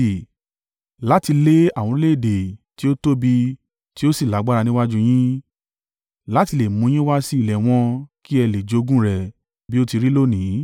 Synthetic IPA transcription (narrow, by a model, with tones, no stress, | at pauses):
la˨˦ti˧le˦a˦˨wɔ̃˧˦le˦˨de˨ti˦o˦to˦bi˧ | ti˦o˦si˦˨la˨˦ɡ͡ba˦ɾa˧nĩ˦wa˦d͡ʒũ˦j̃ĩ˦ | la˦ti˧le˨mũ˨˧˦j̃ĩ˦wa˦si˦i˦˨lɛ˨w̃ɔ̃˧ki˦ɛ˧le˨d͡ʒo˨˧˦ɡũ˦ɾɛ˨ | bi˦o˦ti˧ɾi˦lo˦˨nĩ˨˦